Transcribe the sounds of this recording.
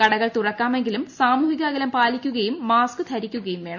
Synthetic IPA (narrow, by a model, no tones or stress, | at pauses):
kɐɽɐɣɐɭt̪urɐkːaːme̞ŋɡilumsaːmuːɦiɣaːɡɐlɐmpaːlikʲːuɣɐjumːaːskɨt̪ʰɐɾikʲːuɣɐjumʋe̞ːɳɐ